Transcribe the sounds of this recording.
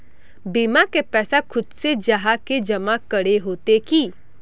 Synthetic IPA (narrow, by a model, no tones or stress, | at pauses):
biːmakepɛːsakʰʊd̪sed͡ʒɐɦaked͡ʒɐmakɐɽeɦoːt̪eki